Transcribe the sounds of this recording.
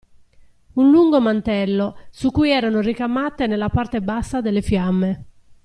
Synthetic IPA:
unluŋɡomant̪ɛlːosukːujɛːɾanorikamaːt̪enelːapart̪ebasːad̪elːefjamːe

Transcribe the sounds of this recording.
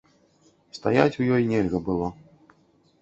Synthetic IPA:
st̪ajat͡sʲujɔjnʲɛlʲɣɐbɨlˠɔ

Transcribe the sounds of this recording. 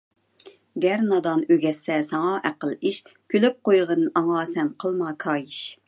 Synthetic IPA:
ɡʲɛɾnɑd̪ɑnøɡʲɛsɛsɑŋɑʔæqəlˠiʃkʲʰølyp̚qojʁənɨʔɑŋɑːsɛnqʰəlˠmɑkʰɑːjiʃ

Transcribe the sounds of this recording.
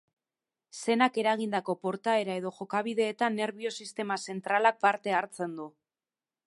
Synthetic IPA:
se̞nake̞ɾaɣind̪ako̞po̞ɾt̪ae̞ɾae̞ð̞o̞ʝo̞kaβ̞iðe̞ːt̪anːe̞ɾβio̞sist̪e̞mase̞nt̪ɾalak̚paɾt̪e̞aɾt͡se̞nd̪u

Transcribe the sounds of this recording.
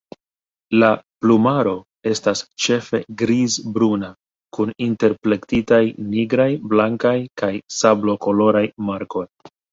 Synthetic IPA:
laplumaɾo̞ | e̞stast͡ʃe̞fe̞ɡɾizbɾuna | kuninte̞ɾple̞ktitajniɡɾajblaŋkajkajsablo̞ko̞lo̞ɾajmaɾko̞j

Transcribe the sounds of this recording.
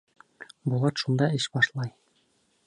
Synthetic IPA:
bulˠɑt̪ʃund̪ɑɘɕbɑʃlˠɑj

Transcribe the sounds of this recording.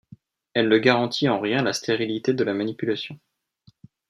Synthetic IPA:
ɛlnəɡaʁɑ̃t̪ʰiɑ̃ʁjɛ̃last̪ʰeʁilit̪ed̪əlamanipylasjɔ̃

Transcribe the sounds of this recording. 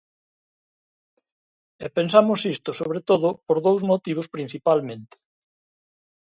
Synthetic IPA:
epensamʊsist̪ʊsoβɾet̪oðʊpoɾðowzmot̪iβ̞ospɾin̟θipalmẽnt̪ɪ̥

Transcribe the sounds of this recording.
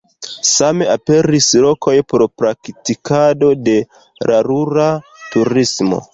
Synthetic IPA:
same̞ape̞ɾislo̞kʰo̞jpɾopɾaktikado̞de̞ | ɾʔaɾuɾatuɾismo̞̰

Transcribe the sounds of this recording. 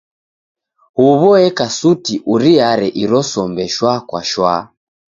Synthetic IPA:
huβɔɛkasutiʔuɾiaɾɛʔiɾɔsɔmbɛʃwakwa̰ʃwa

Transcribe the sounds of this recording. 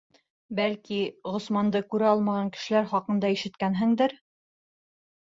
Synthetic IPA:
bælkiʁŏsmɑnd̪ɤkʉɾɘɑlˠmɑʁɑŋkɘ̥̆ʃɘ̆læɾχɑqɤ̆nd̪ɑiʃɘ̆t̪kænɦɘ̆ŋd̪ɘɾ

